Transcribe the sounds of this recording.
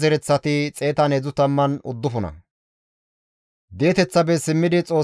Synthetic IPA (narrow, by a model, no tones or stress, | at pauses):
zɛɾɛt͡sːɐt̪ɪt͡sʼe̞ːt̪ɐned͡zʊt̪ɐmːɐnʊd̪ːʊfʊnɐ̰ | d̪e̞ːt̪ɛt͡sːɐbɛsɪmːɪd̪ɪt͡sʼo̞ː